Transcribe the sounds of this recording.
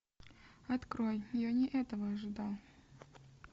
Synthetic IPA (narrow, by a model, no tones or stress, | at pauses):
ɐt̪kɾojjɪjonʲɪʔɛt̪əvəɐʐɨd̪alˠ